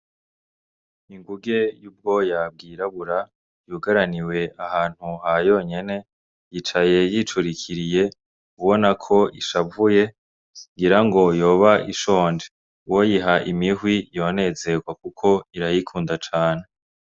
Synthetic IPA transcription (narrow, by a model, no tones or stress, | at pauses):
iŋɡuɡe̞juːb̚ɡo̞jab̚ɡiːɾaβuɾa | juɡaɾaniwe̞ahaːn̥huhajo̞ːɲe̞ne̞ | jiːt͡ʃaje̞jit͡ʃuɾikʰiɾije̞ | uβo̞nakʰo̞ʔiʃavuje̞ | ŋɡiɾaŋɡo̞jo̞ːβaʔiʃo̞ːnd͡ʒe | wojiɦaʔimiɦwijo̞ːne̞ze̞ɡwakukʰo̞iɾajikʰuːndat͡ʃaːne̞